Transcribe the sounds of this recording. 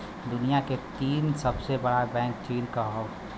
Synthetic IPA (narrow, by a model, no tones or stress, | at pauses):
d̪ʊnijaket̪iːnsəbsebəɽabɛ̃ːŋk̚t͡ʃiːɾkaɦo